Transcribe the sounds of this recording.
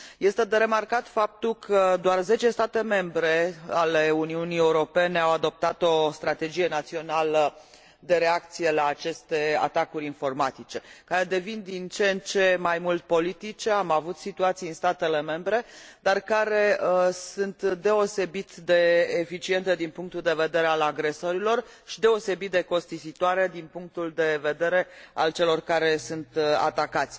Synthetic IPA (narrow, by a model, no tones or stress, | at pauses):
je̞st̪e̞d̪eɾe̞markat̪fap̚t̪ulkʰəd̪oarze̞t͡ʃe̞st̪at̪e̞me̞mbɾe̞ale̞uniunieuɾo̞pe̞ne̞awad̪o̞p̚t̪at̪o̞st̪ɾat̪e̞d͡ʒije̞nat̪sio̞nalə | d̪e̞ɾe̞ak̚t̪sije̞laːt͡ʃe̞st̪e̞a̰t̪akuɾʲinfo̞rmat̪it͡ʃe̞kaɾe̞d̪e̞vind̪int͡ʃent͡ʃe̞majmult̪po̞lit̪it͡ʃeamavut̪sit̪uat̪sijɨnst̪at̪e̞le̞me̞mbɾe̞d̪arkaɾe̞əsunt̪d̪e̞o̞se̞bit̪d̪e̞ːfit͡ʃie̞nt̪ed̪inpuŋk̚t̪uld̪e̞ve̞d̪e̞ɾealaɡɾe̞so̞ɾilo̞r | ʃid̪e̞o̞se̞bit̪̚d̪eko̞st̪izit̪oaɾe̞d̪inpuŋk̚t̪uld̪e̞ve̞d̪e̞ɾe̞a̰lt͡ʃe̞lo̞rkaɾe̞sunt̪a̰t̪akat̪sʲ